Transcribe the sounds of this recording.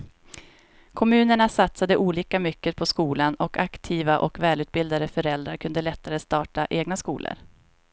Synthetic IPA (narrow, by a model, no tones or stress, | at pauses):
kʰɔmʉ̟ːnəɳasat̪sad̪əʔuːliːkamʏkːət̪̚pʰɔskuːlanɔkʰakt̪ʰiːvaʔɔkvɛːlʉ̟ːt̪̚bɪld̪ad̪əfœɾɛld̪ɾaɾkʰɵnd̪əlɛt̪ʰːaɾəst̪ɑːʈaʔeːɡnaskuːlʔə̰ɾ